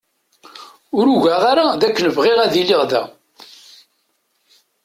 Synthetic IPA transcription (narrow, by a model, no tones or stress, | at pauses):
ʊɾuʝæʁaɾaðækːənəvʁɪʁæðiliʁðæ̰